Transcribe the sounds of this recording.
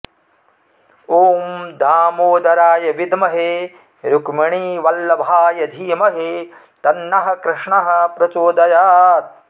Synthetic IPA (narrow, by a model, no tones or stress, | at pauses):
oːmd̪ʱaːmoːd̪ʱɐɾaːjɐʋid̪mɐɦe | ɾukmɐɳiːʋɐlːɐbʱaːjɐd̪ʱiːmɐɦe | t̪ɐnːɐɦɐ̆kɾɪʂɳɐɦɐ̆pɾɐt͡ʃoːd̪ɐjaːt̪̚